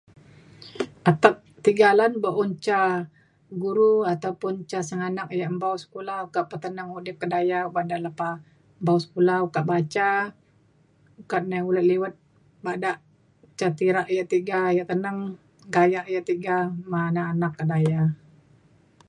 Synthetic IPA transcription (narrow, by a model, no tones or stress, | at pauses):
ʔat̪ak̚t̪iɡalanbəʔunt͡ʃa | ɡuɾuat̪awpʊnt͡ʃasəŋanak̚jaʔmbawsə̥kulawkaʔpət̪ənəŋudɪkːədajabadaʔləpa | mbawsə̥kulawkaʔbat͡ʃa | kaʔ̪̚naulət̪̚liwət̪̚ | badaʔ | t͡ʃat̪iɾaʔjaʔt̪iɡajaʔt̪ənəŋ | ɡajaʔjaʔt̪iɡamanaːnakːədaja